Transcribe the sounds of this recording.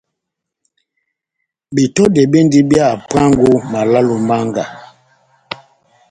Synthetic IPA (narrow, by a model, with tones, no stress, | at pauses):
bi˨tɔ˦dɛ˨be˦ndi˦bja˦˨pa˦ŋɡu˦ma˨la˦lu˨ma˦ŋɡa̰˨